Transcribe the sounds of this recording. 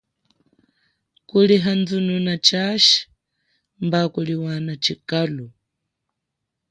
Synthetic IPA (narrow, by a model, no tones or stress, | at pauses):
kuliɦand͡zununat͡ʃaʃi̥ | mbakuliwanat͡ʃikalu